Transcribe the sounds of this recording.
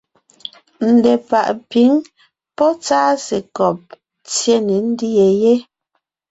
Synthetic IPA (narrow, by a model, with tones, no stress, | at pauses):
n̩˨dɛ˨pa˨ʔpi˨˦ŋ | pɔ˦t͡saː˦si˨kɔ˨p̚ | t͡sje˦ni˨˦n̩˦di˦je˨je˦